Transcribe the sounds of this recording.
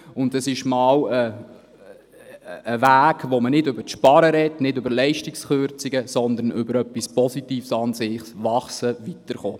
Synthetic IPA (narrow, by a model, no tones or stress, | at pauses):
ʊndəsɪʃmɑːwə | væːɡ̥ʋomənɪdʏbəʃpɑɾəɾɛdnɪdʏbəɾlɛɪʃtiksχøɾt͡siɡ̥əsɔnd̪əɾnʔʏbəɾœpːispɔsitiːfsɑnsɪχsʋɑχsəʋit̪əɾχoː